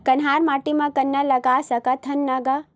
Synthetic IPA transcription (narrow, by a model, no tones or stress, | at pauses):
kɐnɦaːɾmaːʈimãkɐnːalɐɡaːsɐkat̪ʰɐnːɐɡa